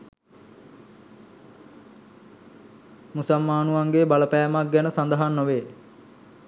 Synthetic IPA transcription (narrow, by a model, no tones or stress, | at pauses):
musamːaːnuʋaŋɡebaləpæːmak̚ɡɛnəsand̪əɦanːoʋeː